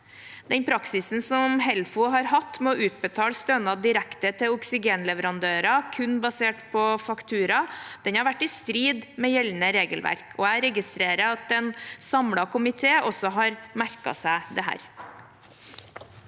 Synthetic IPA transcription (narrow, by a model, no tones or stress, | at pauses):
d̪̥ɛnpʰɾɑksɪsn̩sɔmhɛlfʊɦɑɾɦɑt̪ːmoʔʉːt̪̚bət̪ʰɑːlst̪œnɑd̪ɪɾækt̪ət̪ʰɪʊksɪɡeːnlɛʋəɾɑnd̪øːɾɑkʰʉnbɑseːʈpʰɔfɑkt̪ʰʉːɾɑd̪̥ɛnhɑɾʋæʈːɪst̪ɾiːd̪mɛjɛlnəɾeːɡəlʋæ̰ɾkʰɔæɪɾɛɡɪst̪ɾeːɾəɾɑt̪̚d̪ɛnsɑmɽɑkʊmɪt̪ʰeːʔɔsɔɦɑɾmæɾkɑ̰sæɪd̪ɛɦæ̰ːɾ